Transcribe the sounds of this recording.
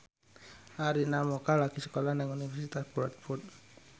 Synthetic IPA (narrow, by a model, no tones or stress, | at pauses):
ʔaɾinamokalaɡisə̥kolanɛŋunifɛrsit̪asbuɾat̪̚furt̪̚